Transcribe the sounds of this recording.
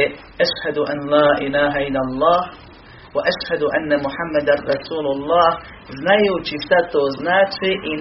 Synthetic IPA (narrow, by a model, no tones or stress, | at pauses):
ʔaʃhad̪ʔanlaːʔɪlaːɦaʔɪlalˤːɑːh | waʔaʃhad̪ʔanːamʊħamːad̪anɾˤɑsuːlʊlˤːɑːh | znajut͡ʃisat̪oznaːt͡ʃiʔɪn